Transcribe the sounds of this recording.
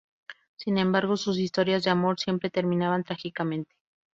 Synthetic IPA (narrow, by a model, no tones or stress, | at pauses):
sinẽ̞mbaɾɣo̞sus̬ist̪o̞ɾjazðe̞amo̞ɾsje̞mpɾe̞t̪e̞ɾmĩnaβant̪ɾaxikamẽ̞nt̪e̥